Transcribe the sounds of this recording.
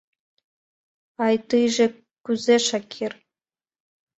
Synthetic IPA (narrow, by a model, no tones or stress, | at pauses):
ɑjt̪ɯjʒĕ | kʲyzeʃɑkʲʰir